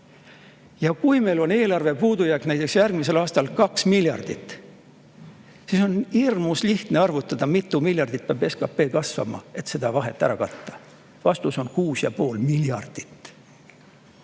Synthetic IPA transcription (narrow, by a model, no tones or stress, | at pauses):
jɑkujme̞jlo̞ne̞ːlɑrve̞puːd̪ujæknæjt̪ːˑeksjærɡ̥mise̞lɑːst̪ɑlkɑksmiljɑ̰rd̪̥it̪ːˑ | siso̞nhirmusliht̪neɑrvut̪ːˑɑd̪̥ɑmit̪ˑːumilʲjɑrd̪̥it̪̚pɑːbe̞skɑpːe̞ːkɑsvɑ̰mɑ̰e̞t̪se̞d̪̥ɑvɑɦe̞̰t̪ːˑæɾɑkɑt̪ːɑ̥ | vɑst̪uso̞nkuːsjɑ̰po̞ːlmiljɑ̰rd̪̥i̥t̪ːˑ